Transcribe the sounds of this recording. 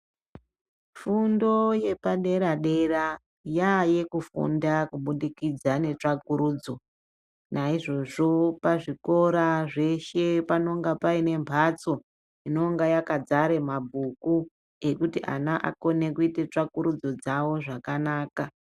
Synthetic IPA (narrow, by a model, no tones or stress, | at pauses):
fundo̞je̞paɗe̞ɾaɗe̞ra | jaje̞kufṵndakuɓuɗikid͡zane̞t͡ʂakuɾuːd͡zo̞ | naiʐo̞ʐo̞paʐiko̞ɾaʐe̞ʃe̞pano̞ŋɡapaine̞mpʰat͡so̞ | ino̞ŋɡajakad͡zaɾe̞mabʱuku | e̞kutiʔa̰naʔa̰ko̞ne̞kuitet͡ʂakuɾud͡zo̞d͡zawo̞ʐakanaːka